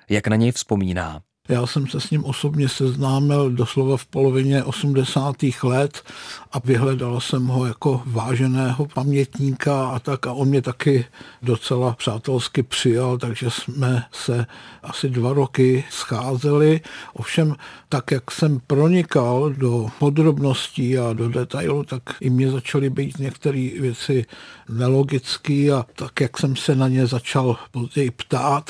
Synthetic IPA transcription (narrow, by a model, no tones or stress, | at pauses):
jaknaɲɛjfspomiːna̰ː | jaːsɛmsɛsɲɪmʔo̞so̞bɲɛsɛznaːmɪldo̞slovafpo̞lo̞vɪɲɛʔo̞sumdɛsaːt̪iːxlɛt̪ʔavɪɦlɛdalsɛmɦo̞jako̞vaːʒɛnɛːɦo̞pamɲɛt̪ɲiːkaat̪akaʔonmɲɛt̪akɪdo̞t͡sɛlapr̥aːt̪ɛlskɪpr̥ɪjalt̪aɡʒɛsmɛsɛʔasɪdvaɾo̞kɪsxaːzɛlɪʔo̞̰fʃɛmt̪akjaksɛmpɾo̞ɲɪkaldo̞po̞d̪ɾo̞bno̞sciːado̞dɛt̪ajlut̪akʔɪmɲɛzat͡ʃalɪbiːt̪ɲɛkt̪ɛɾiːvjɛt͡sɪnɛlo̞ɡɪt͡skiːat̪akjaksɛmsɛnaɲɛzat͡ʃalpo̞zɟɛjɪpt̪aːt̪